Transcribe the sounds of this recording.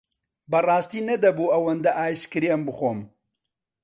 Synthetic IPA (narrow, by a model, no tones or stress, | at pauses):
bɐrɑːst̪iːnɐd̪ɐbuːɐwɐnd̪ɐʔaːjskɨɾiembɨxoːm